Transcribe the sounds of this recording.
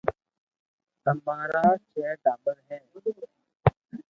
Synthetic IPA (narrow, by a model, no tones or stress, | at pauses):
t̪əmaːɾaːt͡ʃeːɖaːbəɾɦɛ̃ːʊd̪o